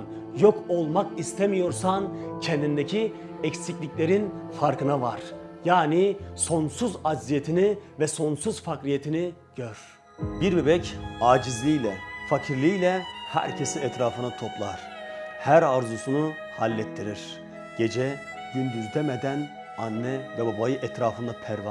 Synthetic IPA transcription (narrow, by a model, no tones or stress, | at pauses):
n | joko̞lˠmakist̪ʰemijo̞ɾsancʰɛnd̪ind̪ecʰi | ɛcsiclʲiclʲe̞ɾinfaɾkɯnavaɾ̥jaːniso̞nsuzazijet̪ʰinivɛso̞nsuz̥fakɾijet̪ʰini | ɟ̥øɾ̥ | biɾbebɛcaːd͡ʒizlʲijlʲɛfacʰiɾlʲijlʲɛhæ̰ɾcʰesiɛt̪ɾaːfɯnat̪ʰo̞plˠa̰ɾ̥ | hæɾaɾzusunu | halʲːɛt̪ʰːiɾiɾ̥ | ɟ̥e̞d͡ʒɛ | ɟ̥ynd̪yzd̪ɛmɛd̪æn | anːɛvɛbabajɯʔɛt̪ɾaːfɯnd̪apʰæɾva